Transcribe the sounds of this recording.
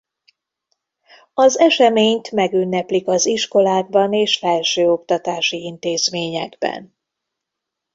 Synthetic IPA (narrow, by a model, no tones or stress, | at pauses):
ɒzɛʃɛmeːɲt̪mɛɡynːɛplikɒziʃko̞laːɡ̚bɒneːʃfɛlʃøːo̞kt̪ɒt̪aːʃiint̪eːzmeːɲɛɡbɛ̰n